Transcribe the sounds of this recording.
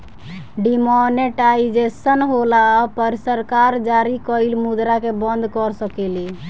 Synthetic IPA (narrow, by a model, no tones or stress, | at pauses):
ɖimoneʈaid͡ʒesənɦolapəɾsəɾkaɾd͡ʒaɾikəilmud̪ɾakebənd̪ʱkɔɾsəkeli